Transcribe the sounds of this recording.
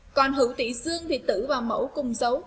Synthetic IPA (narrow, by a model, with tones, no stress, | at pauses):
kɔ˨˩nɦɨ̰˧˩˦wt̪ḭ˧˥zɨ˧əŋt̪ʰi˨˩t̪ɨ̰˧˥vaː˨˩wmə̰˧˥wkʊ˨˩ŋ͡mzə˨˦w